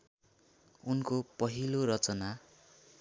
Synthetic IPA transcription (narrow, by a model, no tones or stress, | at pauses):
unkopʌɦiloɾʌt͡sʌna